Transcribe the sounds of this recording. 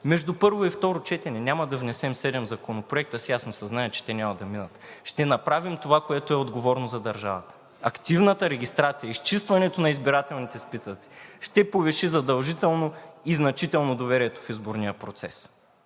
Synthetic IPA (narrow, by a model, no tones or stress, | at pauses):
mɛʒd̪upɤɾvoift̪ɔɾot͡ʃɛt̪ɛnɛnʲamɐd̪ɐvnɛsɛmsɛd̪ɛmzɐkonopɾoɛk̚t̪əsijasnosɐznajɐt͡ʃɛ̥t̪ɛnʲamɐd̪ɐminɐt̪ʃt̪ɛnɐpɾavimt̪ovakoɛt̪oɛod̪ɡovɔɾnozɐd̪ɐɾʒa̰vɐt̪ə̥ | ɐkt̪ivnət̪ɐɾɛɡʲist̪ɾat̪sijəist͡ʃist̪vɐnɛt̪onɐizbiɾat̪ɛlˠnit̪ɛspisət̪si̥ʃt̪ɛpovɛʃizɐd̪ɐlˠʒit̪ɛlˠnoiznɐt͡ʃit̪ɛlˠnod̪ovɛɾiɛt̪o̥fizboɾnijəpɾot̪sɛs